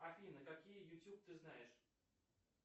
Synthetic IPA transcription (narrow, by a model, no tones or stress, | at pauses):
ɐfʲinəkakʲijəjʊtʲjup̚t̪ɨznajɪʂ